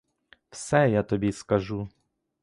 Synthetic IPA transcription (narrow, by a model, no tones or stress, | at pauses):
wsɛjat̪ɔbʲiskɐʒu